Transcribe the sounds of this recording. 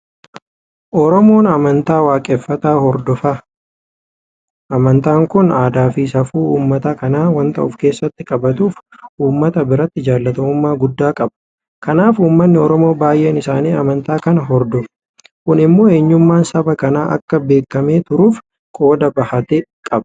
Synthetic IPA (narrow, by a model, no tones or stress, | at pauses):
ʔɔɾɔmo̞ːnɐmɐnt̪aːwaːkʼɛfːɐt̪aːɦɔɾd̪ɔfa | ʔɐmɐnt̪aːŋkʊnaːd̪aːfiːsɐfuːuːmːɐt̪akɐnaːwɐnt̪ɐ̰ʔʊfke̞ːsːɐt̪ːɪkʼɐbɐt̪uːfuːmːɐt̪ɐbɪɾɐt̪ːɪd͡ʒaːlːɐt̪ɐmʊmːaːɡʊd̪ːaːkʼɐbɐ̥ | kɐnaːfuːmːɐnːɪɔɾɔmo̞ːbaːjʔeːnɪsaːniːɐmɐnt̪aːkɐnɐɦɔɾd̪ɔfɐ̥ | kʊnɪmːo̞ːe̞ːɲːʊmːaːnsɐbɐkɐnaːʔɐ̰kːɐbe̞ːkːɐme̞ːt̪ʊɾuːf | kʼo̞ːd̪ɐbɐhɐt̪ekʼɐbɐ̥